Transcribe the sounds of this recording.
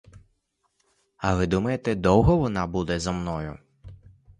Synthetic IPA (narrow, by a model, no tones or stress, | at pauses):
ɐʋɪd̪umɐjet̪ɛd̪ɔwɦɔʋɔnɑbud̪ɛzɐmnɔjʊ